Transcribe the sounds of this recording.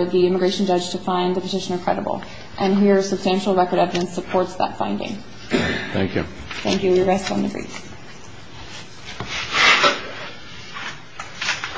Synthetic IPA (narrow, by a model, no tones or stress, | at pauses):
ðiɪ̃məɡɹeɪʃn̩d͡ʒʌdd͡ʒ̥tʰɨfãɪ̃nðɨpʰɨtʰɪʃɨnə˞kʰɹ̥ɛ̰ɾə̰bl̩ˠ | ʔɨ̃nɦiɹsɨb̥stæ̃nʃl̩ˠɹɛkə˞ɾɛvɨɾɨ̃nsəpʰɔɹtsðə̰tfã̰ɪ̃ndɪ̰̃ŋ | θæ̰̃ŋkjʉ̰ | θæ̰̃ŋkjʉwɹɛstn̩ðɨɡɹḭf